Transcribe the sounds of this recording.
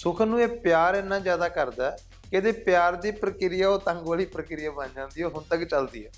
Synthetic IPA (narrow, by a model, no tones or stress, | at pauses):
sʊkʰnũːeːpjaːɾɪnːãːzjaːd̪aːkəɾd̪aː | kɪd̪eːpjaːɾd̪iːpɾəkɪɾɪjaːoːt̪ə̃ŋɡʋaːliːpɾəkɪɾɪjaːbənd͡ʒãːnd̪iːoːɦʊnt̪əkt͡ʃəld̪ḭːɛː